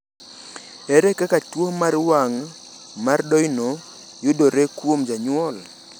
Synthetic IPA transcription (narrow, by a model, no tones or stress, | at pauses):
eɾekakatwomaɾwaŋ | mardɔjno | jʊdoɾekwomd͡ʒaɲwɔl